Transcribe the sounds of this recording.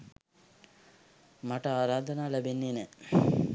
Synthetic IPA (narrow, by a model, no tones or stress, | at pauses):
maʈəaːɾaːd̪ɐnaːlæbenːenɛ